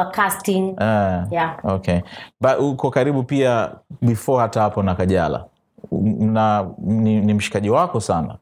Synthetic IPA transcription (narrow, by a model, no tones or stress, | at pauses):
akastĩŋɛaokɛbaukɔkaɾiɓupiaɓifɔhataapɔnakaʄala̰ | naninim̩ʃi̥kaʄiwakɔsana̰